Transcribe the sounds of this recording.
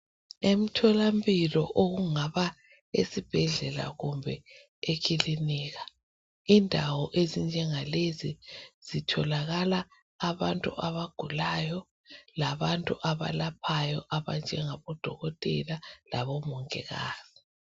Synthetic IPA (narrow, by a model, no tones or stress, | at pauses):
em̩tʰɔlambilɔ̰ʔoɣuŋaβa | ḛsib̥ʱɛɮɛla̰ɣumbʱɛ | ekʰiliniːɣa | indʱawɔʔezind͡ʒʱɛŋaleziz̥itʰɔlaɣalaː | βantʼuʔaβaɡ̥ʱulajɔ | laβantʼuʔaβa̰lap̚ʰajɔʔaβa̰nd͡ʒʱɛŋaβɔd̥ʱɔɣɔtʼɛlala̰βɔmɔŋʼɛ̰ɣa̰ːz̥i